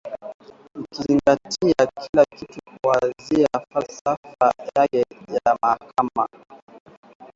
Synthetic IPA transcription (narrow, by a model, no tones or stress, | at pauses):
ikiziŋɡatiakʰilakitukuaziafalsafajakɛjamaakʰama